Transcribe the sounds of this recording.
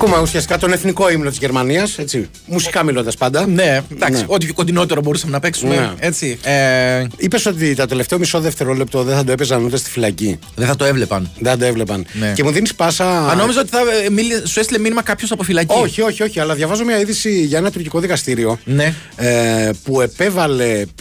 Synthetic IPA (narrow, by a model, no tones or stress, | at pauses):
ɐkumeusiɐst̪ikɐt̪o̞ne̞θniko̞imnot̪izʝe̞ɾmɐniɐse̞t͡si | musi̥kɐmilo̞nd̪ɐspɐnd̪ɐned̪ɐknkseio̞t̪ipʰokond̪ino̞t̪e̞ɾo̞bo̞ɾusɐmenɐpe̞ksunmeeet͡si | ipe̞so̞t̪̬it̪ot̪e̞le̞ft̪eomiso̞ðeft̪e̞ɾo̞le̞p̚t̪o̞ðeθɐd̪oepezɐnut̪est̪i̥filɐci | ðeθɐt̪oevlepɐnðeθɐd̪oe̞vlepɐnnece̞muðinispɐsɐɐno̞mizɐot̪i̥θɐmilsuest̪ileminimɐkɐpçosɐpo̞filɐcioçio̞çio̞çiɐlɐðʝɐvɐzomɲɐiðisiʝɐenɐt̪uɾciko̞ðikɐst̪iɾio̞ne | epue̞pe̞vɐle̞